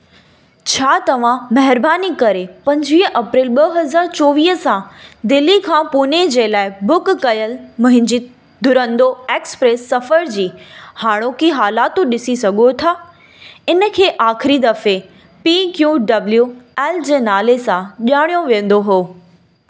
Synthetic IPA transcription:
t͡ɕʰaːt̪ɐʋ̤ãmɐɦɪɾbaːnikɐɾepɐ̃ɲd͡ʑʋiːʔɐpɾiːlɓɐɦɐzaːɾt͡ɕoːʋiːɦsãd̪ɪlikʰãːpuːned͡ʑeːlaːɪbʊkːɐjəlmʊ̃ɦɪ̃ɲd͡ʑi | d̪ʱʊɾə̃nd̪oeːkspɾeːsːɐfəɾd͡ʑiːhaːɽ̃okiɦaːlaːt̪ũɗɪsisɐɡʱot̪ʰaː | ɪnə̆kʰeːʔaːxɪɾid̪ɐfe | pikjuːɖɐbljuɛːld͡ʑeːnaːlesãʄaːɽ̃ijoʋĩə̃nd̪oɦoː

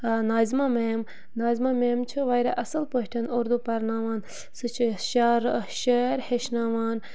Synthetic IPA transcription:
naːzimameːm | naːzimameːmt͡ʃʰɨʋajɾa̰ʔɐsɨlpəɦʈʰɐnoɾd̪upɐɾnaːʋaːn | sɨt͡ʃʰiʃaːɾʃɐɾheʃnaːʋaːn

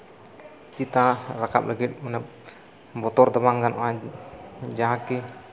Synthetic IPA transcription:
t͡ʃit̪araka̰plaɡimənap̚ | bɔt̪ɔrd̪abaŋɡanʔa | d͡ʒaɦaki

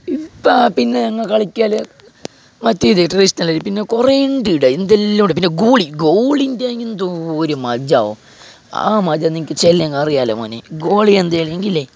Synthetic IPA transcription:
ipːapinːenɐŋːɐɭkɐɭikʲːaːle | mɐtːijðeʈisnɐlːɐɾipinːe̞kureiɳɖiɽɐend̪elːɐmuɽep̬inːe̞ɡoːɭiɡoːɭindeaŋɡind̪oːɾumɐd͡ʑaːo̰ | a̰ːmɐd͡ʑɐnːiŋikʲːɨt͡ɕelːeŋɡarijaːlemo̰ːnḛɡoːɭiend̪ajleŋɡilːe

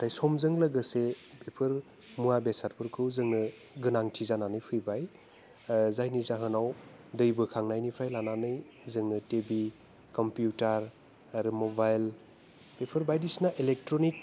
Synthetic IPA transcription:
tajsɔmzɯŋlɐɡɯsepʰepʰɯɾ | muabesaɾpʰɯɾkʰɯwzɯŋnɯ | ɡɯnaŋtʰizananɯjpʰɯjbaj | zajnizaɦɯnaw | dɯjbɯkʰaŋnajnipʰajlananɯj | zɯŋnɯtebi | kɔmpjutaɾ | aɾɯmobajl | pepʰɯɾbajdisnaʔilek̚tɾonik̚

